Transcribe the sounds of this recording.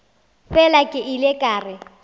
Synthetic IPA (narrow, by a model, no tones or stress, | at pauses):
fɛlakʼɪʔilekʼaːrɪ